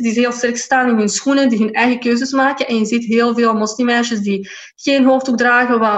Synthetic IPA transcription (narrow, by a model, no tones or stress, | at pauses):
disɦeːlˠstɛrkstaːnɪnɦɵnsxunədiɦɵnɛjɣəkøːzəsmaːkənʔɛnjəzitɦeːlˠveːlˠmɔsnimɛnʃəsdi | ɣeːnɦoːftuɡ̚draːɣəwa